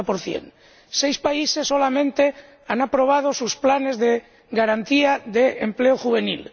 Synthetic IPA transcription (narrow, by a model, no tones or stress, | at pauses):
poɾθjḛn | sejspaisesːo̞lamẽ̞nt̪e | anapɾo̞β̞að̞osusplane̞zðe | ɡaɾant̪iaðeempleoxuβe̞nḭl